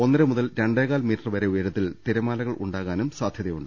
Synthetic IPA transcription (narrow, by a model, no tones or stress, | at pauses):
o̞nːɐɾɐmuðɐlɾeɳɖeːɣaːlmiːʈːɐrʋɐɾeujɐɾɐt̪ːilt̪iɾɐmaːlɐɣɐɭʔṵɳɖaːɣaːnumsaːd̪ʱjɐðɐjuɳɖɨ